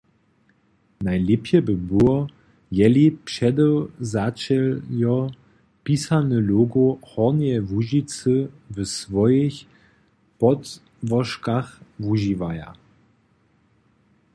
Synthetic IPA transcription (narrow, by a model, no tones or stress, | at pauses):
najlɪpjɛbəbuɔ | jɛlipʃɛd̪ɛwzat͡ʃɛljɔ | pisanəloːɡohɔʁnjɛvuʒit͡səvəsvɔjeç | pɔt | vɔʃkaxvuʒivaja̰